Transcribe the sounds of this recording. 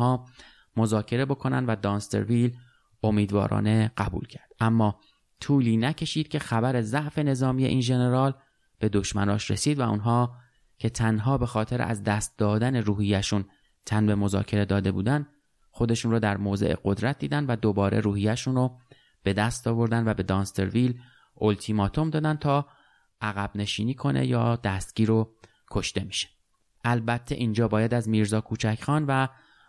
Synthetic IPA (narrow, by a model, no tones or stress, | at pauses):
hɒː | mozɒːcʰe̞ɾe̞bo̞kʰo̞næ̰nd̪væd̪ɒːnst̪ḛɾvil | o̞miːd̪vɒ̰ːɾʔɒ̰ːne̞ɢæbṵːlcʰæɾd̪̥ʔæmːɒː | t̪ʰuːliːnæcʰe̞ʃiːd̪̥̚cʰʲe̞xæbæɾe̞zæʔfe̞ne̞zɒːmiːje̞ʔiːnʒe̞ne̞ɾɒːl | b̥e̞d̪o̞ʃmænɒːʃɾe̞̰siːd̪væṵnɦɒː | cʰe̞t̪ʰænɦɒːbe̞xɒːt̪ʰe̞ɾ̰æ̰zd̪æːst̪̚d̪ɒːd̪æneɾuːhijːæʃun | t̪ʰænbe̞mo̞zɒ̰ːcʰe̞ɾe̞d̪ɒːd̪e̞buːd̪æn | xo̞d̪e̞ʃunroːd̪æɾmoːzeʔḛɡo̞d̪ɾæt̪̚d̪iːd̪ænvæd̪obɒːɾʔḛɾuːhijːæʃunro | b̥e̞d̪æst̪ɒːvo̞ɾd̪ænd̪væbe̞d̪ɒːnst̪eɾvil | ʔolt̪ʰiːmɒːt̪ʰo̞md̪ɒːd̪æn̚t̪ʰɒː | ʔæɣæbne̞ʃiːniːkʰo̞ne̞̰jɒ̰ːd̪æst̪̚ɟ̥iːɾo | kʰo̞ʃt̪emi̥ʃe̥ | ʔælbæt̪ʰːe̞̰ʔind͡ʒɒːbɒːjæd̪æzmiːɾzɒːkʰuːt͡ʃʰæcxɒːnvæ